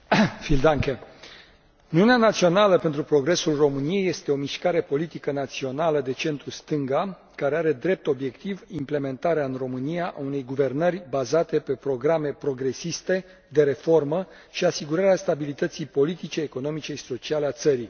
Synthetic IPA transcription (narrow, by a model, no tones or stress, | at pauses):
fild̪aŋke | uniuneanat̪sio̞naləpe̞nt̪ɾupɾo̞ɡɾe̞sulro̞mɨnije̞je̞st̪e̞o̞miʃkaɾe̞po̞lit̪ikənat̪sio̞naləd̪e̞t͡ʃe̞nt̪ɾust̪ɨŋɡa | kaɾeaɾe̞d̪ɾe̞p̚t̪o̞bje̞kt̪ivimple̞me̞nt̪aɾeaɨnro̞mɨnijaʔaune̞jɡuve̞rnərʲbazat̪e̞pe̞pɾo̞ɡɾame̞pɾo̞ɡɾe̞sist̪e̞ | d̪e̞ɾe̞fo̞rmə | ʃiasiɡuɾaɾeast̪abilit̪ət̪sijpo̞lit̪it͡ʃeːko̞no̞mit͡ʃe̞ʃi̥so̞t͡ʃialeat̪səɾi